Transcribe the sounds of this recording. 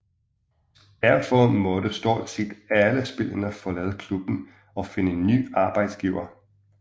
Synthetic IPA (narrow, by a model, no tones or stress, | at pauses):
d̥æɐ̰fɒmɔ̽dəsd̥ɔ̰ːlsed̥æləsb̥e̝lənɐfɒ̽lɛð̞ˠəkʰlub̥n̩ | ɒ̽fe̝nəenːy̰ːɑ̈ːb̥ɑ̈ɪd̥sɡ̥iːʊɐ